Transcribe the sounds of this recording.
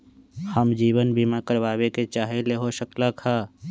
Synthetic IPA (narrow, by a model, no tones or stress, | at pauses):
həmd͡ʒiːwənbiːmakəɾʋaːweket͡ʃaːɦeleɦoʃəklakʰaː